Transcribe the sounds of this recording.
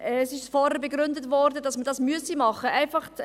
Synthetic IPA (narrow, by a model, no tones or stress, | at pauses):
ɛsɪʃfɔːɾəbeɡɾʏndətvɔɾdədɑsmədɑsmyəsimɑχəʔæɪfɑχt